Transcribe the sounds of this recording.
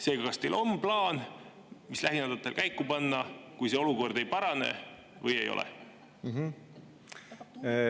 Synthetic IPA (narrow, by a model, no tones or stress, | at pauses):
se̞ːɡ̥ɑkɑst̪e̞ːlʔo̞mplɑːn | mislæɦinɑd̪̥ɑt̪ːˑe̞lkæjkːˑupɑnːɑkujse̞o̞luko̞rd̪e̞jpɑɾɑne̞̰ | vɤje̞̰jo̞̰lʔɛ̰ | ɦ